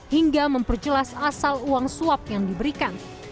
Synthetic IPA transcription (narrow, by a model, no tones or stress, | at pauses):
hiŋɡaməmpərd͡ʒəlasasaluaŋsuap̚jaŋdibəɾikan